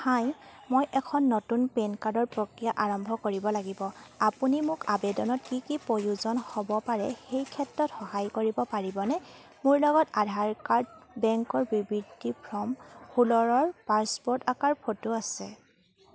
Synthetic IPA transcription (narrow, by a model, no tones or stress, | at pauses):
haj | mojʔɛkʰɔnːotunpenkaɹdɔɹpɹokɹijaʔaɹɔmbʱɔkoɹibɔlaɡibɔapunimʊkabɛdɔnɔtkikipojuzɔnhɔbɔpaɹɛ̰xejkʰɛtɹɔtxɔɦajkoɹibɔpaɹibɔnɛ | mʊɹlɔɡɔtadʱaɹkaɹdbɛŋkɔɹbibɹidʱipʰɹɔmhulɔɹɔɹpaɹspɔɹtakaɹd̚pʰotuasɛ̰